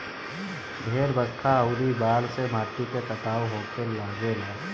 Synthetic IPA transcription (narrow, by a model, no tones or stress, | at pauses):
bʱeːɾbəkʰːaəʊɾibaːlsemʱaːʈiket̪əʈ̪aːwɦoːkʰenlaːɡelaː